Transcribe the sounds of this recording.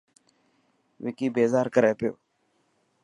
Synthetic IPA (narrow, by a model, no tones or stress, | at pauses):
ʋɪkiːbeːzaːɾkəɾeːpɪjo̰ː